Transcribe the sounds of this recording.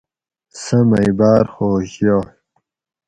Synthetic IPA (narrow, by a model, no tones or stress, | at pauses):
sɐmɐjbaːɾxoːɕjoː